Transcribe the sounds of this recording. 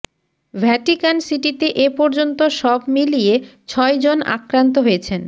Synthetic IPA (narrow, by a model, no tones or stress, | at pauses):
vʱɛʈikansiʈit̪eʔepɔɾd͡ʑont̪oʃɔbmilijet͡ɕʰɔed͡ʑona̰kɾant̪̬oɦojet͡ɕʰen